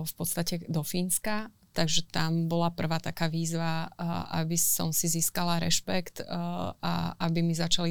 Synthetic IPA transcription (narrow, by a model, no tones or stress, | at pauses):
fpɔt̪st̪acɛd̪ɔfiːnska | t̪aɡʒɛt̪ambɔlapr̩ʋaːt̪akaːʋiːzʋaʔa̰bisɔ̰msiziːskalaɾɛ̰ʃpɛkt̪a̰ʔabimizat͡ʃali